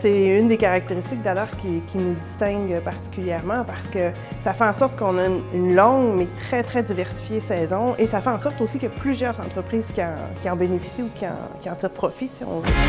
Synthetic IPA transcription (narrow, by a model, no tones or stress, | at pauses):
sɛynd̪ekaʁak̚t̪eʁist̪ɪk̚d̪ajœːʁkʲikʲinud̪ist̪ɛ̃ŋɡpaʁt̪i̥kʲyljɛʁmɑ̃paʁsə̥kə | safɛɑ̃sɔʁt̪kɔ̃naynynlɑ̃ŋmɛt̪χɛt̪χɛd̪ivɛʁsi̥fjesɛːzɔ̃esafɛɑ̃sɔʁt̪osikjaplyzjœːʁzɑ̰̃t̪χəpχiːz̥kʲiɑ̰̃kʲiɑ̃benefi̥siukʲiɑ̰̃kʲiɑ̃t̪iːʁpχɔfisiɔ̰̃vø